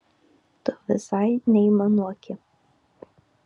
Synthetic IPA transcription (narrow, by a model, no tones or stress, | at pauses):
t̪oʋɪsajnʲɛimɐnuɔkʲʰɪ